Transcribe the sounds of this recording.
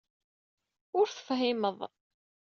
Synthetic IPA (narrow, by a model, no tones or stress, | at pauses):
ʊɾθə̥fɦɪməðˤ